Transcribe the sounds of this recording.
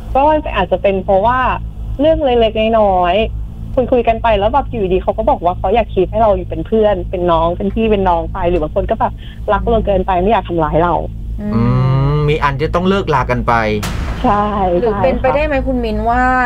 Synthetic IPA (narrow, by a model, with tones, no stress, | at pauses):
kʰɔ˦˥˩ma˧na˧˩ʔaː˨˩t̪̚t͡ɕa˨˩pe˧npʰɾɔ˦˥waː˥˩ɾɯ˥˩əŋle˧kle˦˥k̚na˥˩jnɔː˦˥j | kʰu˧nkʰu˧jka˧npa˧jlɛː˦˥wbɛː˨˩p̚juː˨iː˨˩diː˧˩xʰa˦˥wkɔː˥˩bɔː˨˩k̚waː˥˩kʰɔ˦˥jaː˨˩k̚ʰːi˦˥t̪̚ha˥˩jɾa˧wjuː˨˩pe˧npʰɯ˥˩ənpe˧nːɔː˦˥ŋpe˧nt̪ʰiː˥˩pe˧nːɔː˦˥ŋpa˧jɾɯː˩˦baː˨˧˦kʰo˧nkɔː˥˩bɛː˨˩p̚ | la˦˥k̚loː˧kɤː˧npa˧jma˥˩jaː˨˩k̚t̪ʰa˧mlaː˨˦jɾa˧w | ʔɯː˧miː˧ʔa˧nt͡ɕa˨˩t̪ɔ˥˩ŋlɤː˥˩k̚laː˧˩kːa˧npa˧jt͡ɕʰa˥˩jlɯː˨˦˥e˧nʰpa˧jda˥˩jma˦˥jkʰu˧mːi˧nwaː˥˩